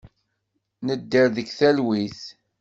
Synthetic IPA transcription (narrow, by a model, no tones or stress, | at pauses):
nəd̪ːiɾðəkθælwiθ